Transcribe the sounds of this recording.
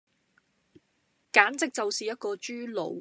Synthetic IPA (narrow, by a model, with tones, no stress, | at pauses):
kaː˨˥nt͡sɪ˨k̚t͡sɐ˨wsiː˨jɐ˥t̚kɔː˧t͡ʃyː˥lo̰˨˧˥w